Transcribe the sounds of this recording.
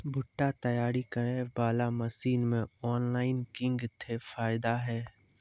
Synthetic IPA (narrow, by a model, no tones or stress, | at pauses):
bʱʊʈːat̪ɐjaːɾikɐebaːlamɐsiːnmẽɔːnlaːɪnkɪ̃ŋɡt̪ʰefaːɪd̪aɦɛː